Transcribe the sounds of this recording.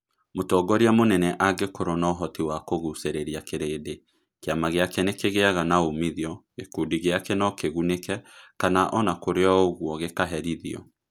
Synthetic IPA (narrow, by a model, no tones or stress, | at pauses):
motɔːɡɔɾiamonɛnɛʔaɡekoɾonɔɦɔtiwakoɣuseɾeɾiakeɾeːde | keamaɣeakɛnekeɣeaɣanaomiðiɔ | ekuːdiɣeakenɔkeɣunekɛkanaʔɔnakoɾeɔoɣwɔɣekaɦɛɾiðiɔ̰